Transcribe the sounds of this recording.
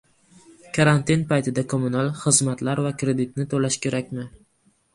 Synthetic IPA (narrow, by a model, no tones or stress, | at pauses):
kʰaɾant̪inpajt̪ʰɪd̪akʰomunalˠχɨzmat̪laɾvakɾe̞d̪ɪt̪̚nɪt̪ʰolaʃkʲe̞ɾakʲmɪ